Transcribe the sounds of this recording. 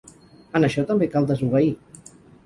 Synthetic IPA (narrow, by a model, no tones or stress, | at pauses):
ənəʃɔt̪əmbekalˠd̪əzuβ̞əi